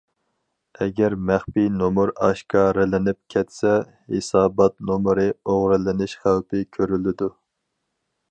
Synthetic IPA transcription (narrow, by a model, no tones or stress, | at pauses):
ɛɡʲɛɾmæχpinomuɾɑʃkɑɾɪlɪnɪp̚kʲʰɛt̪sɛ | hesɑːbɑt̪nomɾɨoʁɾɨlɪnɪʃχælpʰɪkʲʰøɾylɪd̪u